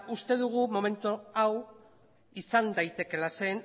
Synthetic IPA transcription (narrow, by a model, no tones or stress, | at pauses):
ust̪e̞ð̞uɣ̞umo̞me̞nt̪uaw | isand̪ajt̪e̞ke̞lase̞n